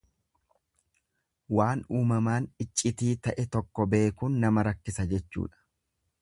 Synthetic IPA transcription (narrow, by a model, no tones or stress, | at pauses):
waːnuːmɐmaːnɪt͡ʃʼːɪt̪iːt̪ɐʔɛt̪ɔkːɔbe̞ːkunːɐmɐɾɐkːɪsɐd͡ʒɛt͡ʃːṵːᶑɐ̥